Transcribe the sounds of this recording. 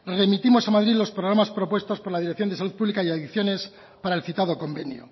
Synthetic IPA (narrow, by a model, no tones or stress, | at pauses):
re̞mit̪imo̞samaðɾiðlo̞spɾoɾamaspɾo̞pwe̞st̪o̞spoɾlað̞iɾekθjo̞nd̪esaluð̚puβlikaiaðiθjo̞ne̞s | paɾaelθit̪aðo̞ko̞mbe̞njo̰